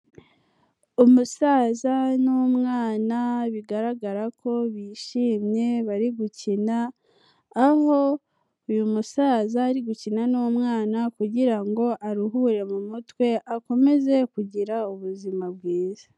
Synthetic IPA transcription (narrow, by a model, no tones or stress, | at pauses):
umusaːzanumŋaːnaβiɡaɾaɡaɾakʰo̞βiʃiːmɲe̞βaɾiɡucinaː | ho̞ | ujumusaːzaːɾiɡucinanumŋaːnakuɟiɾaŋɡo̞ʔaɾuɦuːɾe̞mumutwe̞ʔako̞me̞ze̞kuɟiɾauβuzimabɡiːzḁ